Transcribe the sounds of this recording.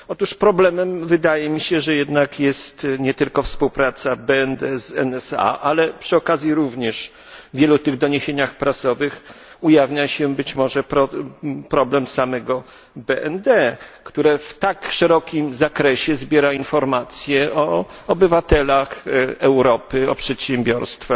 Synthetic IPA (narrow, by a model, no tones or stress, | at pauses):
ɔt̪uʂpɾɔblɛmɛmvɘd̪ajɛmʲiɕɛʐɛjɛd̪nakjɛst̪ɲɛt̪ɘlkɔfspuwpɾat̪sabɛɛnd̪ɛzɛ̰nɛsa̰ʔalɛpʂɘɔkazʲjiɾuvɲɛʂ | vʲjɛlut̪ɘɣd̪ɔɲeɕeɲaxpɾasɔvɘxujavɲaɕɛbɘt͡ɕmɔʐɛpɾɔpɾɔblɛmsamɛɡɔ | bɛʔɛnd̪ɛkt̪uɾɛft̪akʂɛɾɔkʲimzakɾɛɕɛzbʲjɛɾainfɔɾmat̪sʲjɛɔɔbɘvat̪ɛlaxɛwɾɔpɘɔpʂɛt̪ɕɛmbʲjɔɾst̪fa